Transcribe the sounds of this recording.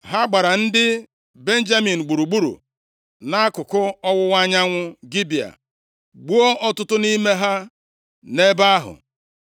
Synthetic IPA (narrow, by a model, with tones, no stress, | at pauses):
ɦa˦ɡ͡ba˨ɾa˨n̩˦dɪ˦ | be˦n̩˦d͡ʒa˦mi˨n̩˨ɡ͡bu˨ɾu˨ɡ͡bu˦ɾṵ˨ | na˦a˦kʊ˨kʊ˦ɔ˦wʊ˦wʷa˦ɲa˦ŋʷʊ˦ɡi˦bi˨a̰˨ | ɡ͡bu˦o˦ʔɔ˦tʊ˦tʊ˦ni˦me˦ɦa˦ | ne˦ba˦ɦʊ̰˨